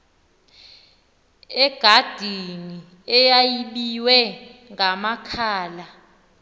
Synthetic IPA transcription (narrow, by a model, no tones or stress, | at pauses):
ɛɡ̥ʱad̥ʱini | ɛjajiɓiwɛŋamakʰaːla